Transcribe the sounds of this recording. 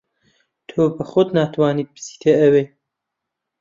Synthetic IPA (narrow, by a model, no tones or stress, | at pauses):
t̪ʰoːbəxʊd̪naːt̪ʰwaːniːt̪̚bɨ̥si̥t̪ʰeɐweː